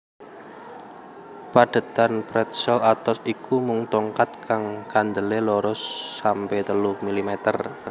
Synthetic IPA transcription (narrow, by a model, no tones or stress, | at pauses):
paɖ̥ə̤t̪anpɾɛt̪̚sɛlat̪ɔsikumuŋt̪ɔŋkat̪̚kʰaŋkand̪əleloɾɔsːampet̪əlumilimɛt̪ər